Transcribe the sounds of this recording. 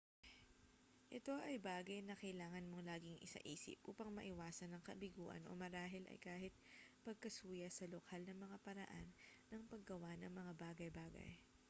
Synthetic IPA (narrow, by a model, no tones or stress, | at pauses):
ʔɛt̪o̞ʔɐjbaːɡɐjnɐkɐjlaːŋɐnmo̞laːɡɪŋʔɪ̰sɐ̰ʔiːsɪ̰p̚ʔuːpɐŋmɐʔɪwaːsɐnːɐŋkɐbɪɡuːʔɐ̰nʔo̰mɐɾaːɦɪlʔɐ̰jkaːhɪt̪̚pɐɡ̚kɐsuːjɐsɐlokʰalnɐŋmɐŋapɐɾɐʔanːɐŋpɐɡ̚ːɐwanɐŋmɐŋabaːɡɐjbaːɡɐ̰j